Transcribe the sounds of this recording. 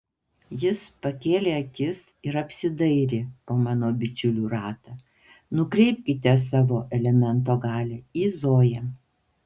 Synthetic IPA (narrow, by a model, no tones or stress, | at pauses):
jɪspɐkʲeːlʲeːɐkʲɪs | ɪɾɐpʲsʲɪd̪ɐɪɾʲepoːmɑːnoːbʲɪt͡ʃʲʊlʲuːɾɑːt̪ɐː | nʊkɾʲɛɪpʲkʲɪt̪ʲɛs̬ɑːʋoːʔɛlʲɛmʲɛnt̪oːɡɑːlʲɛːiːzoːjɛ